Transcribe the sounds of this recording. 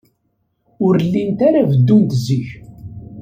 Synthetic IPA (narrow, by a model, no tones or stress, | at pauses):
ʊɾlːint̪aɾavəd̪ːunt̪əziç